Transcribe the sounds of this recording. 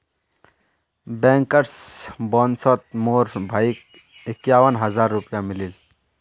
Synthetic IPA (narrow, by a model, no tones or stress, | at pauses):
beːŋkɐɾsboːnsot̪̚moːɾbʱaik̚ | ikjaːwɐnɦɐzaːɾːupjamilil